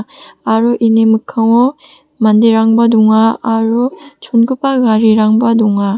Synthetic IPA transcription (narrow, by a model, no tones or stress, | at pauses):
aɾuʔinemɯkʰːaŋɔ | mand̪eɾaŋbad̪uŋaːɾut͡ʃʰonɡupaɡaɾiɾaŋbad̪uŋa